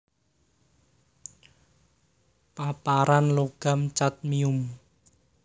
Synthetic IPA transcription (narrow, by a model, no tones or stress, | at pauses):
papaɾanloɡ̥a̤mt͡ʃat̪̚miʊm